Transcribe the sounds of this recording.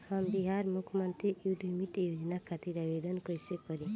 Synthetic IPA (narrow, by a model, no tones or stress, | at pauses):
hamb̪iɦaɾmukʰmɔnt̪ɾiiwd̪ʱumit̪jod͡ʒɔnakʰat̪iɾabed̪ɔnkɔjsekɔɾi